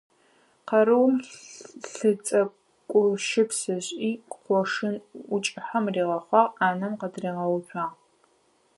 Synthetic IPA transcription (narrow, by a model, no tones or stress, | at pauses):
qɐɾɨwmɬɨt͡sʼɐ | kʷʼʊʃɪpsɨɕʼiːqqʷɔʂɨnʊt͡ʃʼɪħɐmriːʁɐχʷɑːʁaːnɐmqɐdriːʁɐwɕʷᶣaːʁ